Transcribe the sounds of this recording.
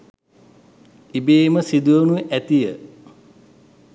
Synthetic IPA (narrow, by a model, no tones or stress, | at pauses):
ibeːməsid̪ujənuʔæt̪ijə